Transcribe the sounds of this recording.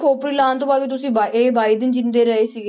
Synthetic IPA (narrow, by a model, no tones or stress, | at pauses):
kʰoːpɾilaːnt̪õːbaːʋiːt̪̬ʊsĩːbaeːbaːiːd̪ɪnd͡ʒɪnd̪eːɾəɦeːsɪɡ